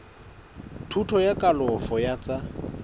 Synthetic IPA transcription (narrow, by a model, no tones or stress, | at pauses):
tʰutʰɔjakʼalɔfɔjat͡sʼa